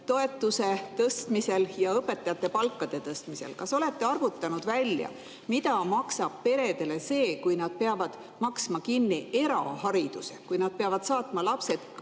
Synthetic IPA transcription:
t̪o̞e̞t̪ːˑuse̞t̪ɤst̪mise̞ljɑɤpːe̞t̪ːˑɑjɑt̪ːˑe̞pɑlkːˑɑd̪̥e̞t̪ɤst̪mise̞̰lkɑso̞le̞t̪ːˑe̞ɑrvut̪ːˑɑnud̪vælʲjɑ̰ | mit̪ɑmɑksɑb̥̚pe̞ɾe̞d̪e̞le̞se̞ːkujnɑd̪̥̚pe̞ɑvɑd̪̥ | mɑksmɑkinːie̞ɾɑ̰hɑɾid̪̥use̞kujnɑd̪̥̚pe̞ɑvɑd̪̥sɑːt̪mɑlɑpse̞d̪̥

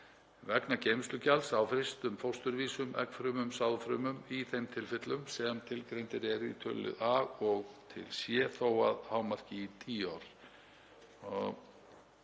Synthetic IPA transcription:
vɛknacejmst̪ʏcʰalsawfɾɪst̪ʏmfowst̪ʏɾviːsʏmʔɛ̰kfɾʏːmʏmsawðfɾʏːmʏmiθejmt̪ʰɪlfɪt̪lʏmsɛmt̪ʰɪlkɾejnt̪ɪɾɛɾḭt̪ʰœ̰lɪ̰ðaɣɔɣt̪ʰɪ̰lsjɛθoːwaðhaːwmar̥cɪit̪ʰiːaɾ̥

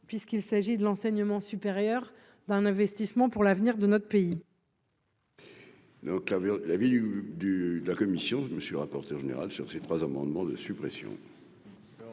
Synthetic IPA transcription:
pɥiskilsaʒid̪əlɑ̃sɛɲəmɑ̃sypeʁjœʁ | d̪ɛ̃nɛ̃vɛst̪ismɑ̃puʁlavniʁd̪ənɔt̪χpei | d̪ɔ̃klalavid̪d̪yd̪əlakɔmisjɔ̃məsɛlʁapɔʁt̪œʁʒenḛʁalsyʁset̪χwazamɑ̃d̪mɑ̃d̪əsypχesjɔ̰̃

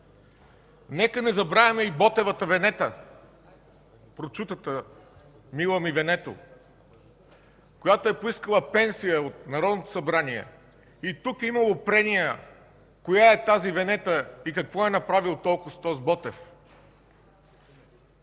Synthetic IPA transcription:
nɛkənɛzɐbɾavʲɐmɛibɔt̪ɛvət̪əvɛnɛt̪ə | pɾot͡ʃut̪ət̪ə | milˠəmivɛnɛt̪o̰ | kojat̪oɛpoiskəlˠəpɛnsijəot̪̚nɐɾɔd̪not̪o̥sɐbɾaniɛ̰ | it̪ukimɐlˠopɾɛnijə | kojaɛt̪azivɛnɛt̪əikɐkvɔɛnɐpɾavilˠt̪ɔlˠkʊst̪ɔzbɔt̪ɛf

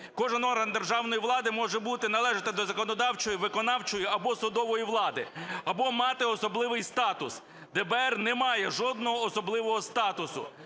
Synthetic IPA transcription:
kɔʒɪnɔrɦɐnd̪erʒɑwnɔjiʋlˠɑd̪ɪmɔʒɛbut̪ɪnɐlˠɛʒɪt̪ɪd̪ɔzɐkɔnɔd̪ɑwt͡ʃɔjiʋɪkɔnɑwt͡ʃɔjiɐbɔsʊd̪ɔʋɔjiʋlˠɑd̪ɪ̰ɐbɔmɑt̪ɪɔsɔblˠɪʋɪjst̪ɑt̪ʊs | d̪ɛbɛrnɛmɑjɛʒɔd̪̚nɔɦɔːsɔblˠɪʋɔɦɔst̪ɑt̪ʊsʊ̰

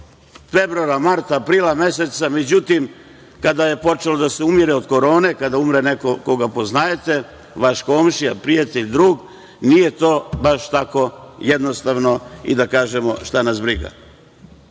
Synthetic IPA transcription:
fe̞bɾuaɾamaɾt̪aːpɾiːlame̞se̞t̪same̞d͡ʑut̪im | kad̪aje̞po̞t͡ʃe̞lo̞d̪ase̞umiɾeod̪ko̞ɾo̞ːne̞kad̪aumɾene̞ko̞koɡapo̞znajet̪e̞ | ʋaʃko̞ːmʃiapɾijat̪eʎd̪ɾuːɡ | nije̞t̪o̞ːbaʃt̪ako̞je̞d̪no̞st̪aʋno̞ḭd̪akaːʒe̞mo̞ʃt̪anasbɾiɡa̰

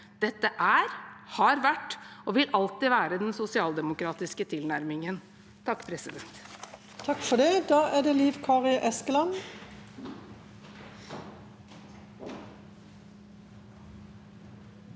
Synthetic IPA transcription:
d̪̥ɛt̪ːəʔæɾhɑɾʋæʈːoːʋɪlʔɑlt̪ɪʋæːɾəd̪ɛnsʊsɪɑːld̪ɛmʊkɾɑːt̪ɪskət̪ʰɪlnæɾmɪŋən | t̪ʰɑkːpʰɾɛsɪd̪ɛnt̪ | t̪ʰɑkfɔɖɛd̪ɑːʔæɖ̪ɛliːʋkʰɑːʁɪʔɛskəlɑn

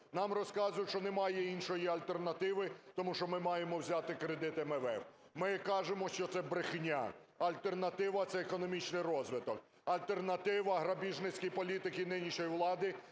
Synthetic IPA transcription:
nɑmrɔskɑzʊjt͡ʃɔnemɑjɛinʃɔjiɐlʲt̪e̞rnɐt̪ɪʋɪt̪ɔmuʃt͡ʃɔmɪmɑjemɔwzʲat̪ɪkɾed̪ɪt̪ɛmɛʋɛw | mɪkɑʒemɔʃt͡ʃɔt̪sɛbɾɪxnʲa̰ɐlʲt̪ernɐt̪ɪʋɐt̪sɛːkɔnɔmʲit͡ʃnɪjɾɔzʋɪt̪ɔk̚ | ɐlʲt̪ernɐt̪ɪʋɐɦɾɐbʲiʒnɪt͡sʲkʲijpɔlʲit̪ɪkɪnɪnʲiʃɔjiwlˠɑd̪ɪ

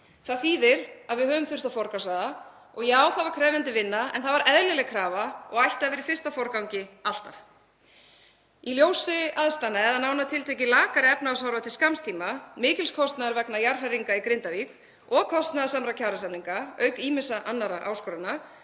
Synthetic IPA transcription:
θaðfiːðɪɾaðvɪðhɦœːvʏmθʏr̥t̪awfɔɾkasaða | ɔɣjɛɣaːwθaðvaɾ̥kʰɾɛːjvant̪ɪvɪnːaɛ̰nθaðvaɾʔɛðlɪlɛɣkʰɾaːvaɔɣajht̪avɪɾifɪr̥st̪afɔɾkawɲcɪal̥t̪af | iljoːwsʏaðst̪anaɛðanaːwnat̪ʰɪlt̪ʰejc̬ɪlaːkaɾɪɛpnaasawɾvat̪ʰɪlskamst̪ʰiːmamɪːcɪlskʰɔst̪naðaɾvɛknajar̥ariŋkaikɾɪnt̪avik | ɔɣkʰɔst̪naðasamɾakcʰaːɾasamniŋkaœɥkiːmɪsaʔanːaɾaʔa̰ːwskɔɾana

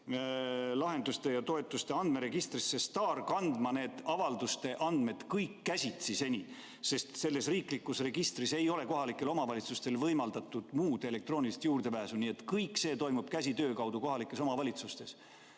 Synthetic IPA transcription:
lɑɦe̞nd̪ust̪e̞jɑt̪o̞e̞t̪ːˑust̪e̞ɑnd̪̥me̞ɾe̞ɡ̥ist̪risːe̞st̪ɑːrkɑnd̪mɑne̞ːd̪̥ɑvɑld̪ust̪e̞ʔɑnd̪̥me̞d̪̥kɤjkːæsʲit̪sise̞nʲi | se̞st̪se̞lːe̞sriːklikːˑusre̞ɡ̥ist̪rise̞jo̞le̞ko̞ɦɑlikːˑe̞lo̞mɑvɑlʲit̪sust̪e̞lvɤjmɑld̪̥ɑt̪ːˑud̪̥muːd̪̥e̞le̞k̚t̪ro̞ːnilist̪juːrd̪̥e̞pæːsunie̞t̪kɤjkːse̞ːt̪o̞jmub̥kæs̬ʲit̪øːkɑwd̪̥uko̞ɦɑlikːˑe̞so̞mɑvɑlʲit̪sust̪e̞s

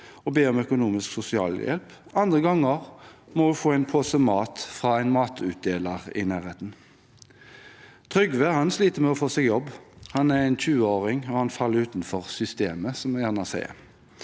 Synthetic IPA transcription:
ɔbeːɔmœkʊnuːmɪsksʊsɪɑ̰ːljɛ̰lpɑnd̪ʁəɡɑŋːəʁmɔʉfoːæɪnpʰoːsəmɑːt̪fʁɑːæɪnmɑːt̪ʰʉt̪̚d̪eːləʁɪ̰næːʁheːt̪n̩ | t̪ʰʁʏɡʋəhɑnsliːt̪əmɛɔfoːsɛːɡjɔbːhɑnæʁæɪnçʉːəoːʁɪŋɔhɑnfɑlːəɾʉːt̪nfɔʁsʏst̪ḛːməsɔmɛjæːʁnɑsḛː

